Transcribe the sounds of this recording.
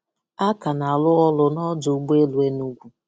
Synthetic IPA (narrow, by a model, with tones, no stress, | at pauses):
a˦ka˨na˨lʊ˦ɔ˦lʊ˨nɔ˦dʊ˨˦ɡ͡be˦lu˨e˦nu˦ɡʷu˨